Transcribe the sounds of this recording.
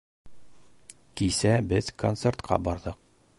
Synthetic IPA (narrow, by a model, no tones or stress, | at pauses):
kisæbɘzkont̪sert̪qʰɑ̰bɒɾðɤq̚